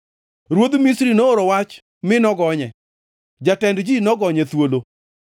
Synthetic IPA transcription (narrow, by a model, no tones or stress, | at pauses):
ɾwod̪misɾinooɾowat͡ʃ | mɪnɔɡɔɲɛ | d͡ʒatɛndd͡ʒinɔɡɔɲɛt̪wolo